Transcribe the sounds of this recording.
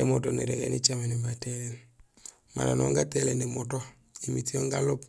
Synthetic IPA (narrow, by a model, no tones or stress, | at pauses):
emotonḛɾɛ̰ɡɛ̰nit͡ʃamenibatelɛn | ma̰ɾanɔŋɡatɛlɛnemotɔ | imitioŋɡalop̚